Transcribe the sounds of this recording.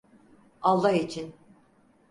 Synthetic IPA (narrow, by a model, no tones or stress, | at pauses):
alˠːaɦit͡ʃʰin